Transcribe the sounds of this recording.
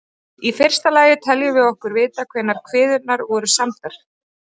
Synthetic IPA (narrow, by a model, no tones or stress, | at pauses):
ifɪr̥st̪alaːjɪt̪ʰɛljʏvɪɣɔhkʏɾvɪːt̪akʰvɛnːaɾ̥kʰvɪːðʏnaɾvɔɾʏsamt̪aɾ̥